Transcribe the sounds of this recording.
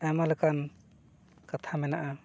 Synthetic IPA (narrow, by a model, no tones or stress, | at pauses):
ɛmalkan | kat̪ʰamɛnaʔa